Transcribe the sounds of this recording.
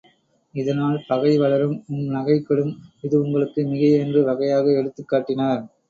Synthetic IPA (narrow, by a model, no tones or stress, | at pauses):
ɪðɐnaːlpɐɣɐɪʋɐɭɐɾɯmʊmnɐɣɐɪkːɐɭɯmɪðɯʊŋɡɐɭɯkːɯmɪɣɐɛndrɯʋɐɣɐjaːɣɐɛɽɯt̪ːɯkːaːʈːɪnaːɾ